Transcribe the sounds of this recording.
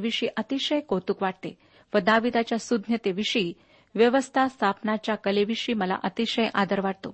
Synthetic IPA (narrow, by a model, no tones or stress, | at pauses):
ʋiʂiːʔət̪iɕəjkot̪uːkʋaʈ̚t̪e | ʋəd̪aʋid̪at͡ɕjasud̪ʱnjət̪eʋiɕiː | ʋjəʋəst̪ʰast̪ʰapnat͡ɕjakəleʋiɕiːməla̰ʔət̪iɕəjʔa̰d̪əɾʋaʈ̚t̪o